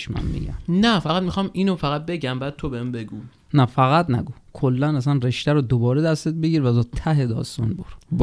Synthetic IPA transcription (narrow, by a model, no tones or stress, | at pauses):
ʃmæ̰mːḭɟæ̰mnæfæɣæd̪mixɒminofæɣæt̪̚beɟæmbæːd̪̥̚t̪ʰobehembe̞ɡuː | næfæɣæd̪næ̰ɡu | kʰolːænæs̬ænreʃt̪æɾod̪obɒːɾed̪æst̪et̪̚beɟiːɾvæzɒt̪ʰæɦed̪ɒ̰ːst̪ɒnbo̰ɾ